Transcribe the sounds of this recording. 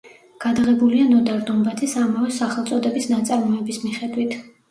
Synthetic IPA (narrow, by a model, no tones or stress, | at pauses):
ɡ̥ad̪ʁɛbulianɔd̪aɾd̪umbat̪ʰisamavɛsaχɛlˠt̪sʼɔd̪ɛbisnat̪sʼaɾmɔɛbismiχɛd̪wit̪ʰ